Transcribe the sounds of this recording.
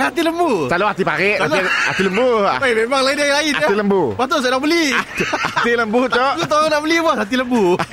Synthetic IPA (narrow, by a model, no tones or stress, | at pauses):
at̪̬iləmbusaloat̪ipaɾɪʔala̰t̪iləmbuaibebaŋlaindiailainaailəmbubat̪̬osnaʔbəliat̪iləmbut͡ʃ̪ɔʔlut̪oonaʔbəlibaɦat̪̬iləmbu